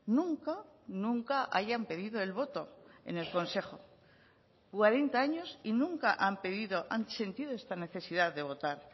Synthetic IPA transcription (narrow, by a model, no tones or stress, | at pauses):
nũŋkanũŋkaʔaʝampe̞ðiðo̞e̞lβo̞t̪o̞e̞̰ne̞lko̞nse̞χo̞ | kwaɾe̞nt̪aaɲo̞sinũŋkaʔampeðiðoʔanse̞nt̪iðoe̞st̪ane̞θe̞siðaððe̞β̞o̞t̪aɾ